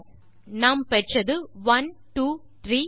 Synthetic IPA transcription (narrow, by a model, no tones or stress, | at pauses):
naːmpɛʈrɐðɯʋɐnʈuː | t̪ɾiː